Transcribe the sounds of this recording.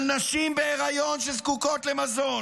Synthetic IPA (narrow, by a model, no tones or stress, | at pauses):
lnaʃimbeeʁajonʃezkuko̞t̪le̞mazon